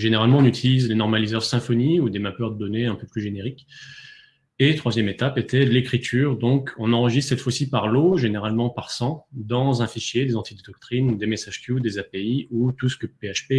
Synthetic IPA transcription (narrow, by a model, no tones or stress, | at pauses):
ʒeneʁalmɑ̃ɔ̃nyt̪ʰilizlenɔʁmalizœʁsɛ̃fɔniud̪emapœʁd̪əd̪ɔneɛ̃pøplyʒeneʁik | et̪χwazjɛmet̪apet̪ɛlekχit̪ʰyːʁd̪ɔ̃kɔ̃nɑ̃ʁəʒist̪sɛt̪fwasipaʁloʒeneʁalmɑ̃paʁsɑ̃d̪ɑ̃zɛ̃fiʃjed̪ezɑ̃t̪ʰid̪əd̪ɔk̚t̪χind̪emesaʒ̥t̪jud̪ezapeiut̪usə̥kəpeaʃpe